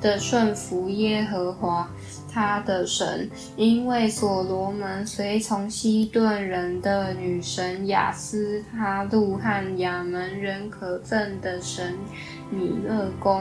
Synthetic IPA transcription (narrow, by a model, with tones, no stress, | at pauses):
d̪̥ə˨ʂwə˥˩nfu˧˥jɛ˥xɤ˧˥xwa˧˥ | t̪ʰa˥d̪ə˨ʂə̰˧˦˥n | i˥nwe˥˩ɪswɔ˨˩lwɔ˧˥mə˧˦˥nswe˧˥ɪt͡sʰʊ˧˥ŋɕi˥t̪wa˥˩nɻə˧˦nd̪ə˧ny˨˩ʂə˧˦˥nja̰˨˩sɹ̩˥ta˥lu˥˧˩xa˥˩nja˨˩mə˧˦nɻə˧˥nkʰɤ˨˩t͡sə˥˩nd̪ə˨˩ʂə˧˦˥n | ni˨˩lɤ˥˩kʊ˥ŋ